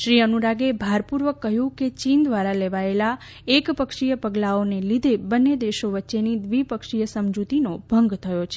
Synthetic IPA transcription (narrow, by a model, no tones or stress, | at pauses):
ʃɾiənuɾaɡebʱaɾpuɾʋəkːəɦjũket͡ʃind̪ʋaɾaleʋaela | ekpəkʂijəpəɡlaonelid̪ʱebənːed̪eʃoʋətːʃenid̪ʋipəkʃijəsəmd͡ʒut̪inobʱəŋɡt̪ʰəjot͡ʃʰe̥